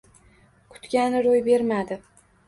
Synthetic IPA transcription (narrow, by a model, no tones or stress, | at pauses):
kʰʊ̥t̪kʲanɪɾojbe̞ɾmad̪ɪ